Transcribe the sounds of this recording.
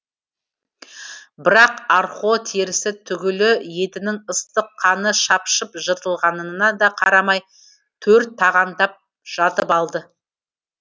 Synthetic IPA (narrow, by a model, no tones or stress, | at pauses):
bɪɾɑqɑɾχot̪ʰeɾɪsɪt̪ʰʏɡʲɪlɪje̞t̪ɪnɪŋəst̪əqʰːɑnəʃɑpʃəpʒət̪əlˠʁɑnənənɑd̪ɑqʰɑɾɑmɑj | t̪ʰɵɾt̪ʰːɑʁɑnd̪ɑp̚ | ʒ̥ɑt̪əpɑlˠd̪ə